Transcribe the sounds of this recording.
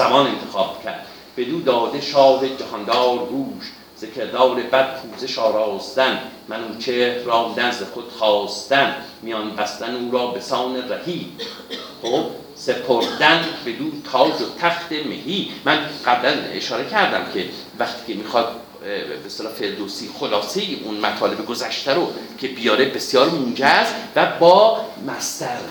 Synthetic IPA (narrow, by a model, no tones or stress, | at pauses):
zæmɒːnent̪ʰexɒːb̥̚cʲʰæɾd̪̥ | b̥e̞d̪uːd̪ɒːd̪e̞ʃɒːɾed͡ʒæhɑnd̪ɒːɾɡuːʃ | z̥ekʰeɾd̪ɒːɾebæd̪̥̚pʰuːzeʃɒːɾɒːsd̪ænmænuːt͡ʃʰehɾɒːmd̪ænzd̪exod̪̥χɒːst̪ænmijɑnbæst̪ænuːɾɒːbe̞sɒːneræhiːb | hoːb | se̞pʰoɾd̪ænbe̞d̪uːt̪ʰɒːd͡ʒot̪ʰæxt̪emḛhiːmænɢ̥æblæneʃɒːɾe̞cʰæɾd̪æmcʰe̞ | væxt̪i̥ːcemiːxɒːd̪̥̚ | best̪elɒːfe̞ɾd̪osiːxolɒːse̞iʔunmæt̪ʰɒːle̞beɡozæʃt̪æɾokʰe̞bijɒːɾebe̞sjɒːɾmund͡ʒæst̪væbɒːmæst̪æɾ